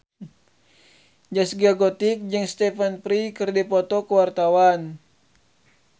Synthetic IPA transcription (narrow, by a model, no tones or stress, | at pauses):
d͡ʒasɡiaɡɔt̪ik̚d͡ʒɨŋst̪ɛfanpɾikɨrdipɔt̪ɔkəwart̪awan